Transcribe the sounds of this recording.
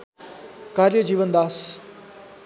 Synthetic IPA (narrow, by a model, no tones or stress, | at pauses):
kaːɾjəd͡ʒiːʋənd̪aːs